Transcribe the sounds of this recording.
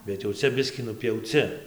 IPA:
bʲɛt jɛʊ ˈt͡sʲɛ ˈbʲɪsʲkʲiː nʊpʲjɛʊˈt͡sʲɪ

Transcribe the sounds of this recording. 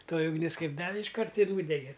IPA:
ˈtoːjɪ ʊɡˈnʲɪs ˈkɐɪp ˈdɑːʋʲɪ ɪʃˈkɐrt ɪr ˈnuːdʲɛɡʲɛ

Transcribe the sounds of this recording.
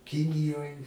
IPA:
ˈkʲɪnʲɪjoːj

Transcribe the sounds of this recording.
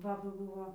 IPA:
ˈbɑːbɐ ˈbuːʋoː

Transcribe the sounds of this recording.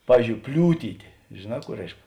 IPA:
ˈpɑːʋʲiːzʲd͡ʒʲoːʊ ˈpʲlʲuːtʲiːtʲeː ʒʲeːˈnɑː ˈkuː ˈrʲɛɪʃk

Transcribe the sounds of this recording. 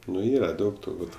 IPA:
nʊ ˈiːrɐ ˈdɐʊk tʊrˈbuːt

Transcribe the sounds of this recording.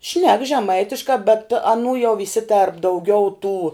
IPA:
ʃʲnʲɛk ʒʲɛˈmɐɪtʲɪʃkɑː bʲɛt ɐˈnuː jɛʊ ʋʲɪˈsʲɪtʲeːrp dɐʊˈɡʲɛʊ tuː

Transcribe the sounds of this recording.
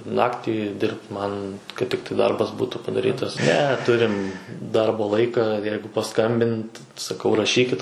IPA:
ˈnɑːktʲiː ˈdʲɪrpt ˈmɐn kɐt ˈtʲɪktɐɪ ˈdɐrbɐs ˈbuːtuː pɐdɐˈrʲiːtɐs nʲɛ ˈtʊrʲɪm ˈdɐrboː ˈlˠɐɪkɐ ˈjɛɪɡʊ pɐˈskɐmʲbʲɪnt sɐˈkɐʊ rɐˈʃʲiːkʲɪt

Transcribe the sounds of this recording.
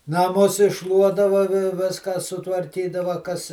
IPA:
nɐˈmʊs ɪʃˈʃlˠuɔdɐʋɐ ʋʲɪ ˈʋʲɪskɑː sʊtʋɐrʲˈkʲiːdɐʋɐ kɐs

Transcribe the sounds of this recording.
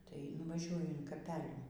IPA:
tɐɪ nʊʋɐˈʒʲuɔjʊ ɪn kɐˈpʲæːlʲuː

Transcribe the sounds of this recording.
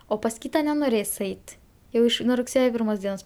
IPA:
oː pɐs ˈkʲiːtɐ nʲɛnoːˈrʲeːs ˈɛɪt jɛʊ ˈɪʃ nuɔ rʊkˈsʲeːjoː ˈpʲɪrmoːs ˈdʲiɛnoːs

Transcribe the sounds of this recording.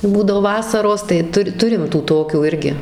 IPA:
tɐɪ ˈbuːdɐʋoː ˈʋɑːsɐroːs tɐɪ ˈtʊ ˈtʊrʲɪm tuː ˈtoːkʲuː ˈɪrʲɡʲɪ

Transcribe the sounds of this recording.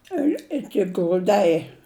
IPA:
ɪr ˈɪkʲɪ ɡrʊˈdɐɪ

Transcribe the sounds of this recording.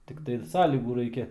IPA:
tʲɪkˈtɐɪ ˈsɑːlʲiːɡuː ˈrɐɪkʲɛ

